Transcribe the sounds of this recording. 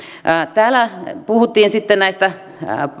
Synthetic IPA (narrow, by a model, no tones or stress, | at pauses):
t̪æːlæpuhut̪ːiːnsit̪ːennæist̪æ